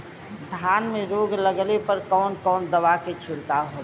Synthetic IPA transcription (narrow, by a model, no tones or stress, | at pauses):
d̪ʱjaːnmeɾoɡləɡlepəɾkɔːnkɔːnd̪əʋaket͡ʃʰʊɽkaɦoː